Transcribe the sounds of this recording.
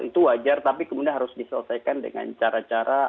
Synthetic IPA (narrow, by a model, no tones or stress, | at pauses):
ʔḭt̪uwad͡ʒart̪apikəmudianɦaɾʊsdisələsajkandə̰ŋa̰nt͡ʃaɾat͡ʃaɾa